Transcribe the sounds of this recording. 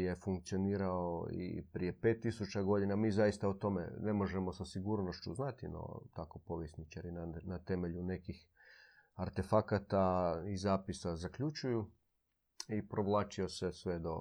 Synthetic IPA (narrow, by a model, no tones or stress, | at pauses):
je̞fuŋk̚t̪sio̞niːɾaoḭpɾije̞pe̞t̪ːisut͡ʃaɡo̞d̪inamiːzaist̪aot̪o̞mḛne̞mo̞ʒemo̞sasiɡuːɾnoʃt͡ʃuznat̪ḭno̰t̪ako̞po̞ʋjesnit͡ʃaɾinanat̪e̞me̞ʎune̞kix | aɾt̪e̞fakat̪aizaːpisazakʎut͡ʃuju | ipɾo̞ʋlˠaːt͡ʃio̞sesʋe̞d̪o̞